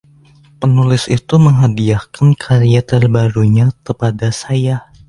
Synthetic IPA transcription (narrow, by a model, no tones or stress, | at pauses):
pənulɪsit̪uməŋɦadiahkankʰaɾiat̪ərbaɾuɲakəpadasaja